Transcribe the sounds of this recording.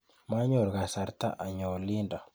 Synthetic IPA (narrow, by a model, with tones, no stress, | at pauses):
ma˦ɲɔ˦˨ɾɡa˨sa˨ɾt̪a̰˦ʔa˨ɲɔ˨li˦nda˨